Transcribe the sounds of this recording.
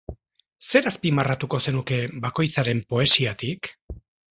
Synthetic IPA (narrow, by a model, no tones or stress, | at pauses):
se̞ɾaspimarat̪uko̞se̞nuke̞bako̞jt͡saɾe̞mpo̞e̞siat̪ik